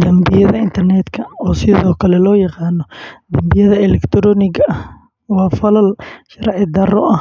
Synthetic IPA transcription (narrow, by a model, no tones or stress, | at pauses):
d̪ɐmbɪjɐðɐɪnt̪ʰɐrnɛːd̪kʰɐɔːsɪðɔːkʰɐlɛlɔːjɑqɑːnɔd̪ɐmbɪjɐðɐɛlɛkt̪ʰɾɔːnɪɡɐʔɐh | wɑːfɐlɐlʃɐrʕɪd̪ɐrɔ̰ʔɐh